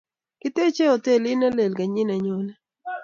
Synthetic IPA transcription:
kɪ˦t̪e˦t͡ʃe˦o˨te˦˨lɪ˦na˦le˨lɡa˨ɲɪ˦na˨ɲo˨na˦

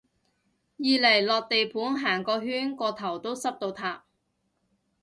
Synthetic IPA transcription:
jiː˨lɐ˨˩jlɔː˨k̚t̪e˨jpʰuː˨˥nɦaː˨˩ŋkɔː˧ɦyː˥nkɔː˧t̪ʰɐ˨˩wt̪o˥wsɐ˥p̚t̪o˧wt̪ʰaː˨˩p̚

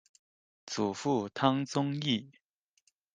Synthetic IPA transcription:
t͡su˨˩fu˥˩t̪ʰɑ˥ŋt͡sʊ˥ŋi˥˩

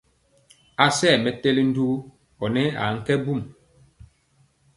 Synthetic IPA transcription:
a˨sɛ˦˨mɛ˨te˦li˦n̩˦du˦ | ɔ˨nɛ˦a̰˨ŋ̩˦kɛ˦bu˦˨m

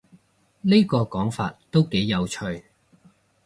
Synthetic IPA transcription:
ni˥kɔː˧kɔː˨˥ŋfa̰ː˧t̚t̪o˥wke˨˥jːɐ˨˧wt͡ʃʰɵ˧ɥ

